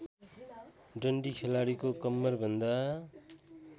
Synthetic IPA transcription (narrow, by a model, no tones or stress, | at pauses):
ɖʌɳɖikʰelaɽikokʌmːʌrbʱʌnd̪a